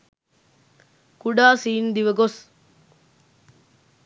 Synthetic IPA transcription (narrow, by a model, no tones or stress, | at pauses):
kuɖaːsiːnd̪iʋəɡos